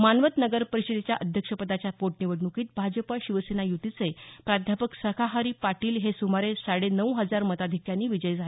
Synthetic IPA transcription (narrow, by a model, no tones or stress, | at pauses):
manʋət̪nəɡəɾpəɾiɕəd̪et͡ɕjaʔəd̪ʱjəkʂəpəd̪at͡ɕjapoʈniʋəɽnukiːt̪̚bʱad͡ʑəpəɕiʋəsenajut̪it͡sepɾad̪ʱjapəksəkʰaɦaɾiːpaʈiːlɦesumaɾesaɽenəwɦəd͡zaɾmət̪ad̪ʱikjanːiːʋid͡ʑəjd͡zʱale